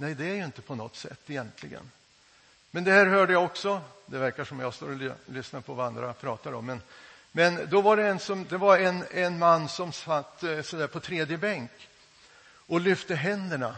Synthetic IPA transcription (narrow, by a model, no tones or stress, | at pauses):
nɛjd̪ɛæɾjɵɪnt̪əpʰɔnɔ̰t̪ːsɛ̰t̪ːɪjɛnt̪ʰlɪɡə̰n | mɛnd̪ɛhæːɾɦœːɖəjaɔksɔ | d̪ɛvæɾkaʂɔmjɑst̪o̰ːɾɔlʏsnapʰɔvaand̪ɾapʰɾɑːt̪aɾɔ̰mːɛn | mɛnd̪ɔvaɖɛɛnsɔmd̪ɛvaɾɛnɛnmanːsɔmsat̪ːsɔd̪æːɾpʰɔt̪ʰɾeːd̪jəbɛŋk | ʔɔlʏft̪əɦɛnd̪əɳa